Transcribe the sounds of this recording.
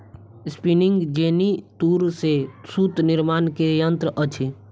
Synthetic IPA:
spinɪ̃ŋɡd͡ʒeːnit̪uːɾsesut̪nɪɾmaːnkejə̃nt̪ɾəʔət͡ʃʰi

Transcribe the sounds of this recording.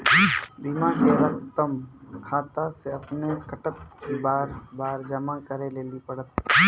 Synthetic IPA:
biːmãkeɾɐk̚t̪əmkʰaːt̪aseɐpnekəʈət̪kibaːɾbaːɾd͡ʒɐmakəɾeleːlipəɽət̪̚

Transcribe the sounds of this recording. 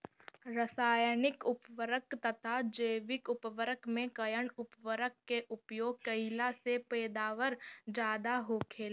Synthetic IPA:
ɾəsaːjnɪkʊpʋəɾəkt̪ət̪ʰad͡ʒəːʋɪkʊpʋəɾəkmẽkəjəɳʊpʋəɾəkːeʔʊpjoːɡ̚kəɦɪlasepɛːd̪aːʋəɾd͡ʒaːd̪aɦoːkʰeːl

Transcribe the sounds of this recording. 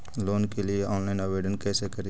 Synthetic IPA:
loːnkelieʔɔ̃ːnlaɪnəʋeːɖənkɛːsekɐɾi

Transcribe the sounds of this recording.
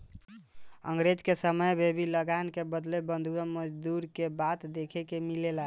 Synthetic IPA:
ə̰ŋɡɾed͡ʒkesəməjbʱebiləɡankebəd̪lebənd̪ʱuəməd͡ʒd̪uɾkebat̪d̪ekʰɛkemilela

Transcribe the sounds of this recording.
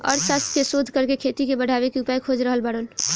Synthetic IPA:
ɔ̰ːɾsast̪ʰkesod̪ʱkəɾkekʰet̪ikebəɽ̤ʱaβekeupajkʰod͡ʒɾəɦəlbaɽon

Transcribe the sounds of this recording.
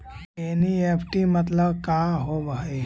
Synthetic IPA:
eniepʰʈimət̪ləbkaɦobɦəj

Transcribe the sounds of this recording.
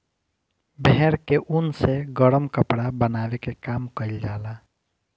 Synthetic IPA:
bɛɦɛɾkeʔunseɡəɾəmkəpɽabənawekekamkəild͡ʒala

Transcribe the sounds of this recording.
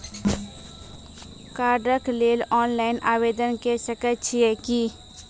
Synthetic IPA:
kaːɾɖəkleːlɔːnlaːɪnʔaːʋeːd̪ənkesəkət͡ʃʰiɛki

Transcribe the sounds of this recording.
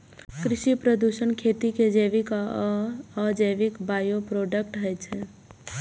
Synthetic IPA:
kɾiʃipɾəd̪usənkʰet̪iked͡ʒəjʋik | əd͡ʒəjʋikbajopɾoɖək̚ʈɦəjt͡ʃʰɛ

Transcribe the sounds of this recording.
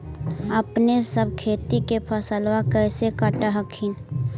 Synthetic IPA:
əpnesəb̚kʰeːt̪ikepʰəsəlwakəɪsekəʈaɦəkʰin

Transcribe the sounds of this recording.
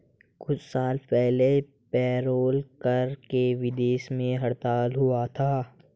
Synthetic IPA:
kʊt͡ʃʰsaːlpɛɦle | pɛːɾoːlkəɾkeʋɪd̪eːʃmẽɦɐɽt̪aːlɦʊat̪ʰaː

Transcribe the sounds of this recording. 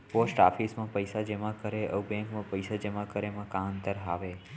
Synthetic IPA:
posʈa̰fʰismãpəjsad͡ʒemãkəɾeʔəbɛ̃ŋkmãpəjsad͡ʒəmãkəɾemãkãənt̪əɾɦaʋe

